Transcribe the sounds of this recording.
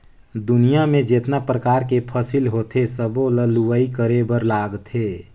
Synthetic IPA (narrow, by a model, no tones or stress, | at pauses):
d̪ʊnijamẽd͡ʒeːt̪napɾəkaːɾkepʰəsilɦot̪esəboləluwəikəɾebəɾlaːɡt̪ɦeː